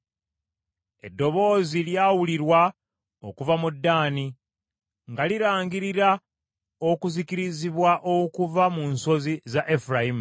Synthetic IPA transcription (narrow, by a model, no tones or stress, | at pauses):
e̞dːo̞βo̞ːziljaːwuliɾwa | o̰kuvamudːaːni | ŋɡaliɾaːŋɡiɾiɾa | o̞kuzikiɾiziβwaʔokuvamunso̞zizaʔefuɾaim